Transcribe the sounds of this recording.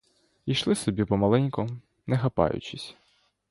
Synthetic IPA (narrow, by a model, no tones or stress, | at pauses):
ijʃlˠɪsɔbʲipɔmɐlˠɛnʲkɔ | nɛxɐpɑ̰jʊ̰t͡ʃɪsʲ